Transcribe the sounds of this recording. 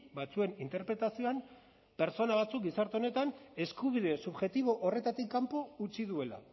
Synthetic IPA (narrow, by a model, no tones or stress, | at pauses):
bat͡sue̞nint̪e̞ɾpɾe̞t̪asio̞am | pe̞ɾt͡so̞naβ̞at͡suk̚ɡisaɾt̪eone̞t̪ane̞skuβiðe̞suβʝe̞t̪iβ̞o̞ʔore̞t̪at̪ikːampo̞ut͡siðue̞la̰